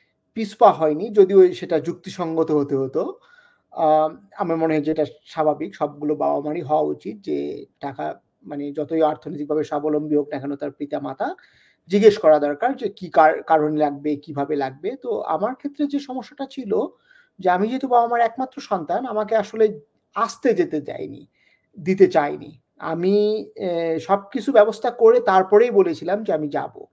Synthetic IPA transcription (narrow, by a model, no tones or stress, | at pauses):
pispaɦɔenid͡ʑod̪ioʃeʈad͡ʑuk̚t̪iʃɔŋɡot̪oɦot̪eɦot̪o | amamoneɦd͡ʑeʈaʃabʱabikʃɔb̚ɡuloba̰omaɽiɦɔoaut͡ɕit̪̚d͡ʑḛʈaka̰ | maned͡ʑɔt̪ojaɾt̪ʰonojt̪ik̚bʱabeʃabolombiɦoɡnakʰanot̪aɾpɾit̪amat̪ʰa | d͡ʑiɡeʃkɔɾad̪ɔɾkaɾd͡ʑekikaɾkaɾonlaɡ̚bekibʱabelaɡ̚bet̪oa̰maɾkʰet̪ːɾed͡ʑeʃɔmoʃːaʈat͡ɕʰilo | d͡ʑeamid͡ʑet̪obaamaɾɛkmat̪ːɾoʃɔnt̪anamakeaʃole | ast̪ed͡ʑet̪et͡ɕa̰jnḭ | d̪it̪̬et͡ɕajnḭ | a̰mi | ʃɔb̚kit͡ɕʰubɛbost̪ʰakoɾet̪aɾpɔɾejbolet͡ɕʰilamd͡ʑeamid͡ʑa̰bo̰